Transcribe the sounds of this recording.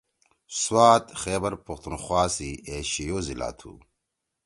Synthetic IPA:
swaːt̪xeːbɐɾpɐxt̪unxwaːsieːɕijoːzila̰ːt̪ʰṵː

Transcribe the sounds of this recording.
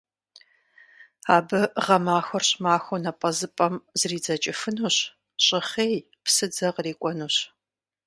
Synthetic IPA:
aːbɨʁɐmaːxʷɐrɕmaːxʷonɐpʼɐzɨpʼɐmzriːd͡zɐt͡ʃʼɪfɨnuːɕ | ɕʼɪχeːj | psɨd͡zɐqriːkʷʼɔnuːɕ

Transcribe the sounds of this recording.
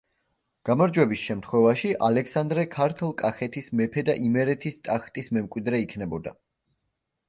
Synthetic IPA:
ɡ̥amɔɾd͡ʒwɛbisʃɛmt̪χwɛvaʃiʔalɛkʰsand̪ɾɛkʰaɾt̪ʰlˠkʼaχɛt̪ʰismɛpʰɛd̪aʔimɛɾɛt̪ʰist̪ʼaχt̪ʼismɛmkʼwid̪ɾɛikʰnɛbɔd̪a̰

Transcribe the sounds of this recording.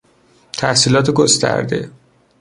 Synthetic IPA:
t̪ʰæhsiːlɒːt̪ʰeɡost̪ʰæ̰ɾd̪e̞̰

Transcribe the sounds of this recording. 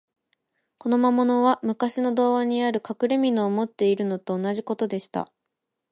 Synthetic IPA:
ko̞no̞mamo̞no̞βamɯ̟kaɕino̞d̪o̞ːβaɲ̟iaɾɯ̟kakɯ̟ɾe̞mʲinoːmo̞t̪ːe̞iɾɯ̟no̞t̪o̞ːnaʑiko̞t̪o̞d̪e̞ɕi̥t̪a̰

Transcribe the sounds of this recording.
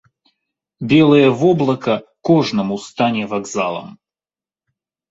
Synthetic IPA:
bʲelˠəjəvɔblˠɐkəkɔʐnəmust̪anʲɛvaɡzalˠə̰m

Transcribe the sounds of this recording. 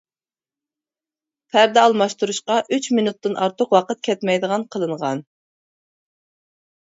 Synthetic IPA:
pʰæɾd̪ɛɑlˠmɑʃt̪uɾuʃqɑʔyt͡ʃminut̪ːɨnʔɑɾt̪ʰʊqwɑqət̪̚kʲʰɛt̪mɛjd̪əʁɑnqʰəlˠɨɴʁɑ̰n

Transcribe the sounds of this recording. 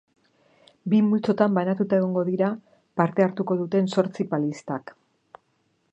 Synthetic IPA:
bimult͡so̞t̪ambanat̪ut̪ae̞ɣo̞ŋɡo̞ðiɾa | paɾt̪e̞aɾt̪uko̞ðut̪e̞nso̞ɾt͡sipalist̪ak

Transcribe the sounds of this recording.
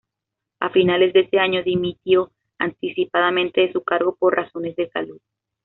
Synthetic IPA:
a̰finale̞zd̪e̞ese̞aɲo̞ðimit̪jo̞ | a̰nt̪isipaðamẽ̞nt̪e̞ðesukaɾɣo̞po̞ɾrʔaso̞ne̞zðe̞sa̰luð

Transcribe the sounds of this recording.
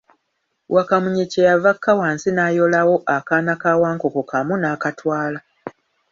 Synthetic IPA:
wʔakamuɲecejavakʰːawaːnsinaːjo̞lawo̞ʔakaːnakaːwaːŋkokokamunaːkatwaːla

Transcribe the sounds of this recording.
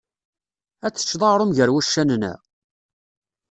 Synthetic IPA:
æt͡sːə̥t͡ʃːðˤɑɾˤʊmʝəɾwæʃːænnæ̰

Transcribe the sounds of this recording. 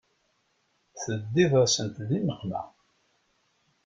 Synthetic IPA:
θəd̪ːiðˤəsənt̪ðiməχmæ̰

